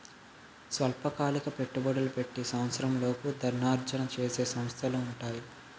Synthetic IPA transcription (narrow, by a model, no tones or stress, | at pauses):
sʋɐlpɐkaːlikɐpe̞ʈːubɐɽɐlupe̞ʈːisɐwɐt̪sɐɾɐmlo̞ːkud̪ʱɐɾɳaːɾt͡ʃɐnɐt͡ʃeːseːsɐmst̪ʰɐluuɳʈaːji